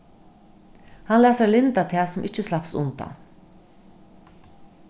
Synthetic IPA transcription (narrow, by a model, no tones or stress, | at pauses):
hɑnlæːsəɹlɪnt̪at̪ʰɛːsɔmʔɪt͡ʃːəslɑpsʊ̰nt̪a̰n